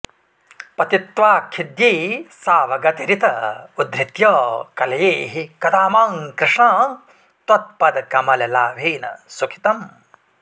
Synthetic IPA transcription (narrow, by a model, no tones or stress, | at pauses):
pɐt̪it̪ʋaːkʰːid̪jiːsaːʋɐɡɐt̪iɾit̪ɐud̪ɾit̪jɐːkɐlɐjeːɦikɐd̪ʰaːmaːŋkɾɪʂɳaː | t̪wɐt̪̚pɐd̪kɐmɐlɐlaːʋʱiːnɐ̰sukʰi̥t̪ɐm